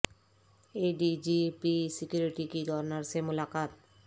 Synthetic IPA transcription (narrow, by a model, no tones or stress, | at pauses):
eɖid͡ʑipisikjuɾiʈikiɡʱɔɾnaɾsemulakat̪